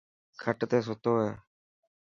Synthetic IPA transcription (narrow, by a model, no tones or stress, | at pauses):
kʰəʈt̪eːs̬ʊt̪oːɦeː